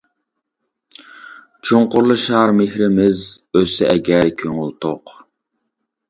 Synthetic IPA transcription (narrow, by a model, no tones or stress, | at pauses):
t͡ʃʰoŋqʊɾlˠɨʃɑɾmehɾɪmɪzøsɛʔɛɡʲɛɾkʲʰøŋylˠt̪ʰoq